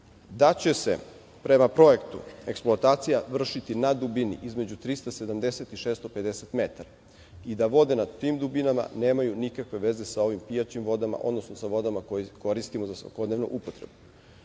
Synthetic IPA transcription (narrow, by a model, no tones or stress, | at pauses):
d̪at͡ɕe̞sḛ | pɾe̞mapɾo̞je̞kt̪ṵe̞ksploat̪aːt̪sijaʋr̩ʃit̪inad̪ubinḭʔizme̞d͡ʑut̪ɾist̪ase̞d̪amd̪eset̪iʃest̪ope̞d̪eset̪me̞t̪aɾa | id̪aʋo̞d̪e̞nad̪t̪imd̪ubinama̰ne̞ːmajunikakʋe̞ʋe̞ze̞sao̞ʋimpijat͡ɕimʋo̞d̪ama̰ʔo̞̰d̪no̞snosaʋo̞d̪amakojiko̞ɾist̪imozasʋa̰ko̞d̪neʋnṵʔupot̪ɾe̞̰bu